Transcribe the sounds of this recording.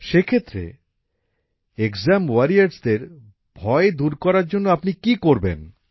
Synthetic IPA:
ʃekʰet̪ːɾḛ | ekzamwaɾiaɾɖsd̪eɾ | bʱɔed̪uɾkɔɾaɾd͡ʑonːoapnikikoɾbḛn

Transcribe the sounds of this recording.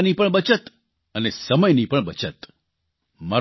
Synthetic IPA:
nipəɳbət͡ʃət̪ | ənesəməjnipəɳbət͡ʃət̪ | ma

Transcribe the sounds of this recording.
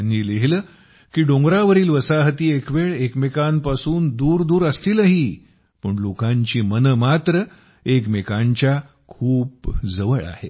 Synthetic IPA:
aniːleɦilə | kiːɖõŋɡɾaʋəɾiːlʋəsaɦət̪iːekʋeɭekmekampasuːnd̪uːɾd̪uːɾəst̪iːləɦiː | pəːɳlokãɲt͡ɕiːmənəmat̪ɾə | ekmekãɲt͡ɕja | kʰuːp̚d͡zəʋəɭa̰hḛ

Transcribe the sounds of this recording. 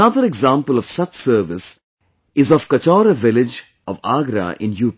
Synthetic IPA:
ɐd̪əɾeɡzãːmpəlɔʋsʌt͡ʃsəːɾʋɪs | ɪzɔfkɐt͡ʃɔːɾəʋɪlɪd͡ʒ | ɔʋaːɡɾa̰ʔɪ̰̃njuːp

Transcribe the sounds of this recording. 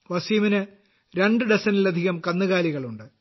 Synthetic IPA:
ʋɐsiminɨ | ɾe̞ɳɖɨɖesɐnilɐd̪ʱiɣɐmkɐnːɨɣaːliɣɐɭuɳɖɨ

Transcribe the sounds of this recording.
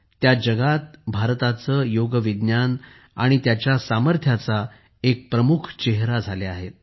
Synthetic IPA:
t̪jad͡ʑəɡat̪̚bʱaɾt̪at͡səːjoɡəʋid̪njan | aɽ̃it̪jat͡ɕjasaməɾt̪ʰjat͡sa | ek̚pɾəmukʰt͡ɕeɦɾad͡zʱaleaɦet̪̚

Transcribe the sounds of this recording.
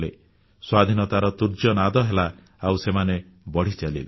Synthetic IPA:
lḛ | swad̪ʱinɔt̪aɾɔt̪uɾd͡ʒɔnad̪ɔɦela | awsemane | bɔɽ̤it͡ʃalḭle

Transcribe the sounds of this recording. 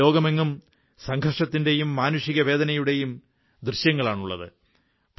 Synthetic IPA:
o̞ːɡɐmeŋːum | sɐŋɡʱɐrʂɐt̪ːinde̞jumːaːnuʂiɣɐʋe̞ːd̪ɐnɐjuɽe̞jum | d̪rɨɕjɐŋːɐɭaːɳuɭːɐ̰ðɨ̰ | p

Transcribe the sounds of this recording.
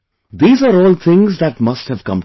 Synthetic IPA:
d̪iːzaːɾɔːlt̪ʰɪ̃ŋzd̪æʈmʌsʈhɛʋkʌ̰̃m

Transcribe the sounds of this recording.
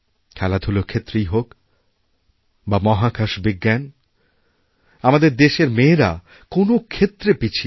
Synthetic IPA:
kʰɛlad̪ʱulokʰet̪ːɾejɦok | bamɔɦakʰaʃbiɡːɛn | amad̪eɾd̪eʃeɾmeːɾa | konokʰet̪ːɾepit͡ɕʰi

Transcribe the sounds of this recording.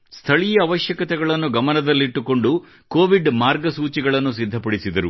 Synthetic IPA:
st̪ʰɐɭijɐːʋɐʃjɐkɐt̪ɛɡɐɭɐnːuɡɐmɐnɐd̪ɐlːiiʈːuko̞ɳɖu | koːʋiɖmaːɾɡɐsuːt͡ʃiɡɐɭɐnːusid̪ʱːɐpɐɽisid̪ɐɾu

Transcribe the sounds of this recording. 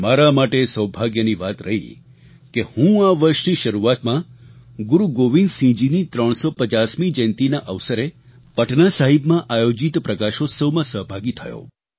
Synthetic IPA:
maɾamaʈesəwbʱaɡjəniʋat̪ɾəɦḭ | kehũaʋəɾʃniʃəɾuat̪mã | ɡuɾuɡoʋĩndsĩd͡ʒinit̪ɾəɳ̃sopət͡ʃasmid͡ʒə̃nt̪inaʔəʋsəɾe | pəʈnasaɦibmãʔajod͡ʒit̪pɾəkaʃosəʋmãsəɦbʱaɡit̪ʰəjo̰

